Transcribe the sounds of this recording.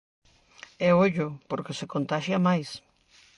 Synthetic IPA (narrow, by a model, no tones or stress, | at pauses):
eoʎopoɾkesekõnt̪aʃjamajs